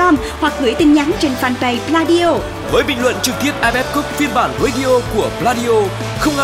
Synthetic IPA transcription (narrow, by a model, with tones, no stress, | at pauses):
ɔ˧m | hwa˨˩k̚ɣɨ˧˩əjt̪ï˨˩ŋ̟ɲa˨˦ŋt͡ɕe˧nfaː˧˩npə˨˩jplaː˧ɗi˧ʔo˧ | vəː˨˦jɓḭ̈˧˨ŋ̟lwə̰˧˨nt͡ɕɨ˨˩k̚t̪i˦˥əp̚ʔaː˧ɓɛ˦˥p̚kʊ˦˥p̚fi˧ənɓaː˧˩nɣe˨˦ɗi˧ʔo˧ku˧˩əplaː˧ɗi˧ʔo˧ | xə˧wŋ͡mʔ